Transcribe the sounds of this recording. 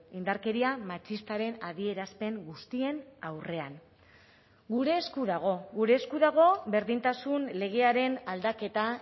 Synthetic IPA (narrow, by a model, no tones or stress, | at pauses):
ind̪aɾke̞ɾiamat͡ʃist̪aɾe̞naðie̞ɾaspe̞ŋɡust̪ie̞nawre̞an | ɡuɾe̞ːskuðaɣ̞o̞ɡuɾe̞ːskuðaɣ̞o̞be̞ɾðint̪asunle̞ɣ̞e̞aɾe̞nald̪ake̞t̪a